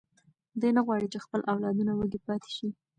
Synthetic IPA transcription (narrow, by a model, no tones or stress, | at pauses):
d̪ujnaɣwɑɽit͡ʃexpəlʔawlɑd̪unawəɡipɑt̪e̥ʃi